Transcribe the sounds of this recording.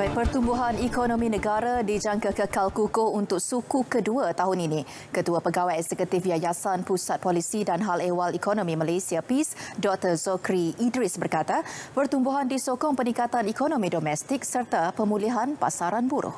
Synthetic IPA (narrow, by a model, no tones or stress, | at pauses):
aj̚pərt̪umbuɦanikonõmĩnə̃ɡaɾadid͡ʒaŋkakəkalkukount̪ʊk̚sukukəduat̪aɦʊninĩ | kət̪uapəɡawajɛkzɛkut̪ɪfjajasanpusat̪̚polisidanɦalewalikonõmĩmalejsiapisdɔk̚t̪ərzɔkɾiːdɾisbərkat̪apərt̪umbuɦandisokɔŋpənĩkat̪anikonõmĩdomɛst̪ɪk̚sərt̪apəmuliɦanpa̰saɾanbuɾʊ̰h